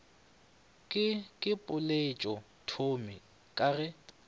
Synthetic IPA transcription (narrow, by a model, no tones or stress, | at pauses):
kʼɪkʼɪpʼʊlet͡ʃʼɔ | tʰomɪ | kʼaɣɛ